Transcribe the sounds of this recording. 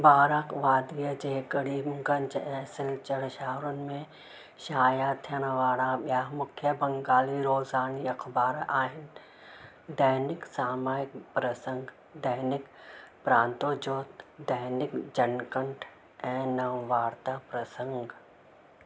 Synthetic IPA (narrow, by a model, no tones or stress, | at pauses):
baːɾaːkʋaːd̪ijəd͡ʒeːkəɽiːmɡɐ̃ɲt͡ʃɛ̃ːsɪlt͡ʃəɽʃaːɾʊnɪ̆mẽ | ʃaːjaːt̪ʰijəɽ̃ʋaːɽaɓjaːmʊkʰjəbɐŋɡaːliɾoːzaːniɐkʰbaːɾaːɦɪn | d̪əɦnɪksaːmaːɪkpɾəsə̃ŋɡ | d̪ɐɦnɪkpɾãːnt̪oːd͡ʒoːt̪d̪əɦnɪkd͡ʒɐnkəɳʈʰ | ɛ̃ːnɐʋʋaːɾt̪aːpɾɐsə̃ŋɡ